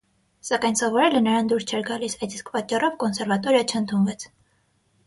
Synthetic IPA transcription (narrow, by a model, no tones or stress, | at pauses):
sɑkɑjnsɔvɔɾɛlənəɾɑnd̪uɾst͡ʃʰɛɾɡɑlisɑjt͡s̪iskʰpɑt͡ʃːɑrɔvkɔnsɛɾvɑt̪ɔɾjɑt͡ʃʰəənt̪ʰunvɛt͡sʰ